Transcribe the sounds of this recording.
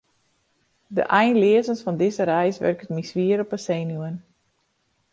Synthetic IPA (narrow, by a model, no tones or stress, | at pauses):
də̰ʔɛjnlɪəzənsfɔndɪzəɾɛjsʋø̰rkətmisʋiəɾɔpəsejnuən